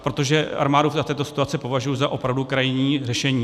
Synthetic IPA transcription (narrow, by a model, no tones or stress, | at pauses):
pɾo̞t̪o̞ʒɛa̰ɾmaːdufzat̪ɛːt̪o̞sɪ̥t̪uat͡sɪpo̞vaʒujuzaʔo̞pɾavdukɾajɪɲiːrɛʃɛɲiː